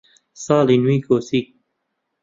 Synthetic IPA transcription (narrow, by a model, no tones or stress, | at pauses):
sɑːlinwiːkoːsik̚